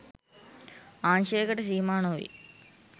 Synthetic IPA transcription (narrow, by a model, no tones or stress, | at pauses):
aːnʃeːkɐʈɐsiːmaːnoːʋḭ